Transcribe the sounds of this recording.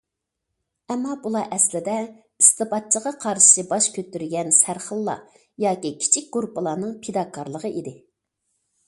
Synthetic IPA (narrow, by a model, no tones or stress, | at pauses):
ɛmːɑbulˠɑʔɛslɪd̪ɛ | ist̪ɨpɑt̪̚t͡ʃʰəʁɑqʰɑɾʃʃɨbɑʃkʲʰøt̪ːyɾɡʲɛnsæɾχəlˠːɑ̰ | jɑːkʲikʲʰi̥t͡ʃʰik̚ʲɡ̥uɾpəlˠɑːnɨŋpʰed̪ɑkʰɑɾlˠəʁəʔid̪ɪ